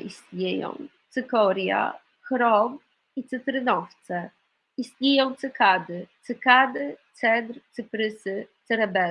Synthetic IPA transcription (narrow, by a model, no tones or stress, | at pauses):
ʔist̪ɲejɔ̰̃w̃t̪sɘkɔɾʲja̰ | kɾɔb | it̪sɘt̪ɾɘnɔft̪sɛ | ist̪ɲejɔ̃w̃t̪sɘkad̪ɘt̪sɘkad̪ɘt̪sɛd̪ɾt̪sɘpɾɘsɘt̪sɛɾɛbɛ